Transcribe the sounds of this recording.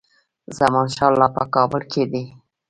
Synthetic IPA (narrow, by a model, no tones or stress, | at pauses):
zamɑnʃɑlːɑpəkɑbəlkʰed̪e